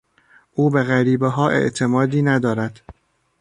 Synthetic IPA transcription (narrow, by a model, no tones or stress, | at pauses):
ʔuːbeɣæɾiːbeɦɒːʔe̞̰ʔt̪ʰe̞mɒːd̪iːnæd̪ɒːɾæd̪̥